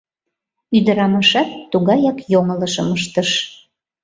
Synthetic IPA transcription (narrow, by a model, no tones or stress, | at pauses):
yd̪ə̆ɾɑmɑʃɑt̪ːuɣɑjɑkjoŋələʃəməʃt̪əʃ